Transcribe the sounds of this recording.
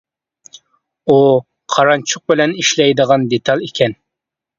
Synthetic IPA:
u | qʰɑɾɑnt͡ʃʰʊq̚bɪlɛniʃlɛjd̪əʁɑnd̪et̪ʰɑlˠikʲʰɛn

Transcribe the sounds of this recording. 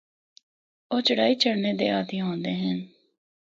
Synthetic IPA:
oːt͡ʃʊɽaːiːt͡ʃʰəɽneːd̪ḛːaːt̪ijãɦõːnd̪eːɦɛn

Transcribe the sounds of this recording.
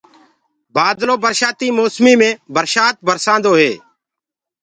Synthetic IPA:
baːd̪lõːbəɾʃaːt̪iːmoːsmiːmẽːbəɾʃaːt̪̚bʱəɾsãːnd̪oːɦeː

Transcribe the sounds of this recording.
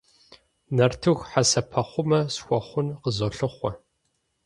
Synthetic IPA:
nɐrtʰɨɣʷħasɐpʰɐχʷʊmɐsxʷɔχʷʊnqəzoɬɨχʷɔ

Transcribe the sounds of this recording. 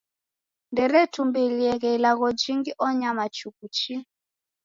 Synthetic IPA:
ndɛɾɛtʰumbɛliɛɣɛilaɣɔd͡ʒiŋɡiʔɔɲamat͡ʃukut͡ʃi

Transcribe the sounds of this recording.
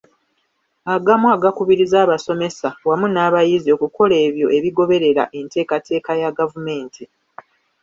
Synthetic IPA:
aɡamwaːɡakuβiɾizaːβaso̞me̞sawamunaːβajizio̞kuko̞le̞ːβjo̞ʔe̞βiɡo̞βe̞ɾe̞ɾa̰ʔe̞nte̞ːkatʰe̞ːkajaɡavume̞ːntʰi

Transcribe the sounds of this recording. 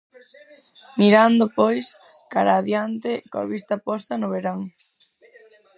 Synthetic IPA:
miɾand̪ʊpojs | kaɾaːðjant̪ɪkoa̰βist̪apɔst̪ɐnʊβeɾaŋ

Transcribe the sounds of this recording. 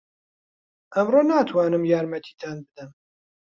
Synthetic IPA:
ʔæmroːnaːt̪ʰwɑːnɨmjɑːɾmɛt̪ʰi̥ːd̪aːnbɨd̪ɨm

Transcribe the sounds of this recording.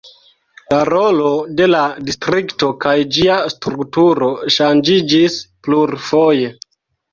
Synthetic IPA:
laɾolo̞de̞ladistɾikto̞kajd͡ʒiastɾuktuɾo̞ʃand͡ʒid͡ʒispluɾfo̞je̞

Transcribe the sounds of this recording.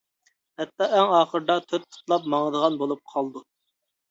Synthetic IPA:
hɛt̪ːɑʔɛŋɑːχəɾd̪ɑt̪ʰøt̪̚tʰʊ̥t̪lˠɑpmɑŋəd̪əʁɑnbolˠup̚qʰɑlˠd̪u

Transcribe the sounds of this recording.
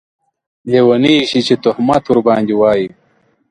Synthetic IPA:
leːwɐniɕit͡ɕet̪uhmɐt̪uɾbɑːnd̪iwaːji

